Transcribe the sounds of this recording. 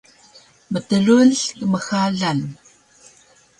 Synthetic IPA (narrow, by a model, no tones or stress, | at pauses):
mətəluɮkəməxaɮan